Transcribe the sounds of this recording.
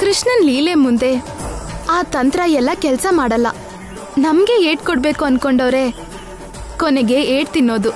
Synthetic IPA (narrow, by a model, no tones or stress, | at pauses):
kɾiʂɳɐnliːlemund̪e̞ | aːt̪ɐnt̪ɾɐjɛlːɐkɛlsɐmaːɽɐlːɐ̰ | nɐmɡe̞eːʈ̚kɔɽbeːkuɐnkoɳɖoːɾe̞ | kɔneɡe̞eːɖt̪inːo̞ːd̪u